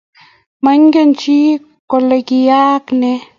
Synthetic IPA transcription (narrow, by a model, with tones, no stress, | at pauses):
ma˦ɲɡe˦nt͡ʃi˦ | ko˧le˧ɡi˧ja˦kne˧